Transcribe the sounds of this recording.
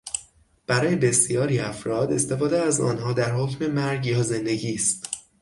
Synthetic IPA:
b̥æɾɒːje̞be̞sijɒːɾiæfɾɒːd̪e̞st̪e̞fɒːd̪eæzɒ̰ːnɦɒːd̪æɾhocme̞mæɾɟjɒːze̞nd̪e̞ɟiːst̪

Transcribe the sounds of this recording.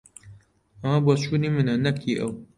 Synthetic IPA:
ɐmɐboːt͡ʃʰuːniːmɨnɐnɐkʰiʔɐw

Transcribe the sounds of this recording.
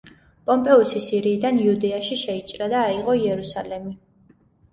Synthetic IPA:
pʼɔmpʼɛusisiɾiːd̪aniud̪ɛaʃiʃɛit͡ʃʼɾad̪aːiʁɔiɛɾusalɛmi

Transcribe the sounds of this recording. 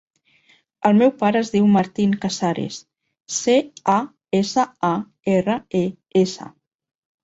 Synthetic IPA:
əlˠmɛwpaɾəːzðiwmaɾt̪iŋkasaɾḛs | sea | esəa | erəe | esə̰

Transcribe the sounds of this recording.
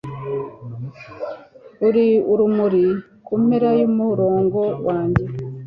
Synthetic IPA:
uɾiuɾumuɾi | kumeɾajomuɾo̞ːŋɡo̞waːɲɟe̞

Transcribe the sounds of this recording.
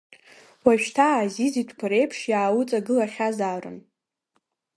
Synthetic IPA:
waʃᶣtʰaːzizitʷʰkʷʰaɾe̞jpʰʂjaːwut͡sʼaɡɨlaχʲazaːrɨ̰n

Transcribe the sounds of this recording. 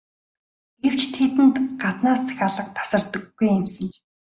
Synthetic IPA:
ɡ̥ew̥t͡ɕt̪ʰet̪ɘ̆nt̪ɢat̪naːst͡sʰḁxʲaːɮə̆q̚p̪ḁsə̆rt̪ə̆ɡːujemsɘ̆ŋ

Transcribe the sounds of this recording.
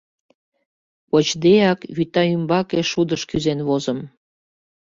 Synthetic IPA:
pot͡ɕd̪ejɑkβyt̪ɑymbɑkeʃud̪əʃkyzenβozəm

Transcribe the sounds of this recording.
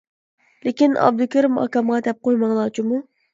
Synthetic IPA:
lekʲinɑ̰b̚d̪ukʲʰiɾɪmɑ̰kɑmʁɑd̪ɛp̚qojmɑŋlˠɑːt͡ʃʰimu

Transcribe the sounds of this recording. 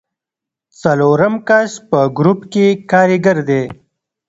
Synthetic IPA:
t͡sɐloːɾəmkaʃpəɡɾupkekɑːɾiɡəɾd̪e

